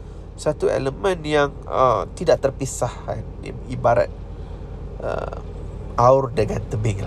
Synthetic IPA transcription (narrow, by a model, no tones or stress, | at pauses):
sat̪uḛləmə̃njaŋ | ə̰t̪idaʔt̪ərpisaha̰ndḭibaɾa̰t̪̚ | ʔə̰ | ʔaʊrdəŋant̪əbɪŋla